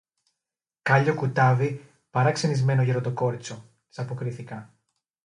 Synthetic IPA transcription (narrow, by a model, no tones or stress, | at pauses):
kɐʎokut̪ɐvi | pɐɾɐkse̞nizme̞no̞ʝeɾot̪o̞ko̞ɾit͡so̞ | t̪i̥sɐpo̞kɾiθikɐ